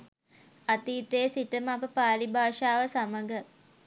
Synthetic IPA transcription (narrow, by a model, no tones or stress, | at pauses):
at̪iːt̪ejsiʈəməapəpaːlibʱaːʂaːʋəsaməɡə